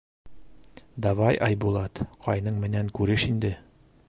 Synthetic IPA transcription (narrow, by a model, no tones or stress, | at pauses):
d̪ɑvɑjʔɑjbulˠɑt̪qɒjnɤɴmɘ̆næŋkʉɾɘʃind̪ɘ